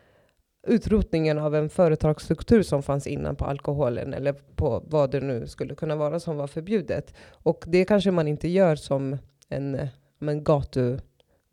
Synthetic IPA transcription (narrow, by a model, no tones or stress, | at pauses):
ʉ̟ːt̪ɾuːt̪nɪŋənavɛnfœːɾət̪ʰɑːɡst̪ɾɵkt̪ʰʉ̟ːɾʂɔmfansɪ̰nːa̰npʰɔʔa̰lkʊɦoːlə̰nɛ̰lːəɾpʰɔvɑːd̪ɛnʉ̟ːskɵlːəkʰɵnːavɑːɾasɔmvafœɾbjʉ̟ːd̪ə̰t̪ɔkd̪ɛkʰanʂəmanɪnt̪əjœːɾsɔm | ɛ̰n | mɛnɡɑːt̪ɵ